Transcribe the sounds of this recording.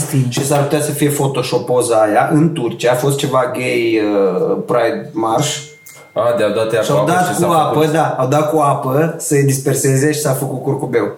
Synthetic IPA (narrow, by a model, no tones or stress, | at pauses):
st̪it͡ʃes̬arput̪easəfije̞fo̞t̪o̞ʃo̞po̞zəajaʔɨnt̪urt͡ʃijaːfo̞st̪̚t͡ʃe̞vaɡejəpɾajd̪marʃ | ad̪ead̪at̪eaʃiawd̪at̪kuapəd̪aawd̪at̪̚kuapəsəed̪ispe̞rse̞ze̞ʃi̥safəkut̪̚kurkube̞w